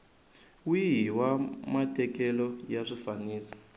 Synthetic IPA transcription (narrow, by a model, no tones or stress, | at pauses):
wiɦiwamatʰɛk̬ɛlɔjaʂifaniːsɔ̥